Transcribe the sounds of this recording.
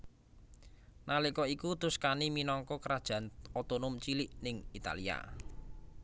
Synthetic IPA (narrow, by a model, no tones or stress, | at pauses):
nalikɔikut̪ʊskaniminɔŋkɔkəɾad̥ʒ̥ä̤not̪onʊmt͡ʃilɪʔnɪŋit̪a̰lia̰